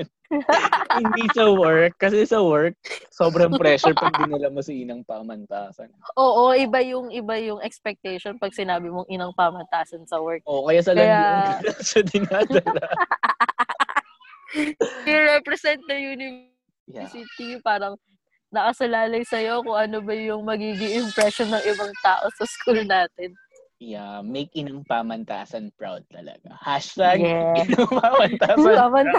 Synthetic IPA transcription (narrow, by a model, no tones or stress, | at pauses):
hɪnd̪isɐwɛɹk̚ːɐsɛsɐwɛɹk̚so̞ːbɾɐŋpɾɛʃʊɹpɐnd̪ɪnɪlamɐsɐinɐŋpamɐnt̪aːsɐnʔoːʔo̞ʔɪbajʊŋɪbajʊŋʔɛkspɛk̚t̪ɛjʃonpɐɡ̚sɪnaːbɪmoŋʔɪnɐŋpaːmɐnt̪aːsɐnsɐwɛɹk̚okɐjaːsɐlkɐjalɐsɐd̪ɪnaːd̪ɐla | ɪɹɛpɾɛsɛnt̪̚ːɐjʊnʊ | isit̪ipaːɾɐŋ | nɐkɐsɐlaːlɐjsɐjo̞kʊŋʔɐnobɐjʊŋmɐɡiːɡɪŋʔɪmpɾɛʃonːɐŋʔɪbɐŋt̪aːʔo̞sɐskʰuːlnaːt̪ɛn | jamɛjkɪnɐŋpaːmɐnt̪a̰ːsɐnpɹa̰wd̪̚t̪ɐ̰lɐ̰ɡ̥a̰haʃt̪aɡɛɪnɐŋpaːmɐnt̪aːsamɐn